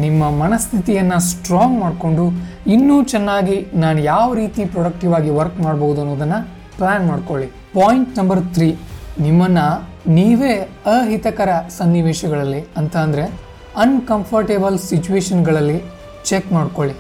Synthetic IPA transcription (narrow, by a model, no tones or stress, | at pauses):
nimːɐmɐnɐst̪ʰit̪ijɐnːɐsʈɾoːŋɡmaːɖko̞ɳɖu | inːuːt͡ʃɛnːaːɡinaːnujaːʋɐɾiːt̪ipɾɔɽɐk̚ʈiʋaːɡiʋɐɾkmaːɽboɦud̪uɐnːoːd̪ɐnːɐ | plaːnmaːɖkoɭi | paːjiɳʈnɐmbɐɾt̪ʰɾiːnimːɐnːɐ | niːʋe̞ː | ɐɦit̪ɐkɐɾɐsɐnːiʋɛːʃɐɡɐɭɐlːiɐnt̪aːnd̪ɾe̞ | ɐnkɐmpʰɐɾʈebɐlsit͡ʃuʋeːʃɐnɡɐɭɐlːi | t͡ʃekmaːɽkoɭi